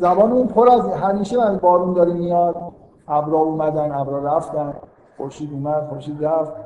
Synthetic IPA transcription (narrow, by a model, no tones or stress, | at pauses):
zæbɒːneuːnpʰoɾæzɦæmiːʃemæzbɒːɾund̪ɒːɾimːijɒd̪ | æbɾɒːuːmæd̪ænæbɾɒːɾæft̪ænd̪ | xoɾʃiːd̪uːmæd̪̥xoɾʃiːd̪ɾæft̪̚